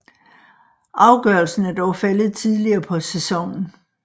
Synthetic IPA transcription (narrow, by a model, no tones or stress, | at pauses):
ʔɑ̈ʊɡ̥ɶɐlsn̩æɐd̥ɒʊfæləð̞̩ˠt͡sʰið̞ˠliɐːpʰɒ̽sesɒ̽ŋn̩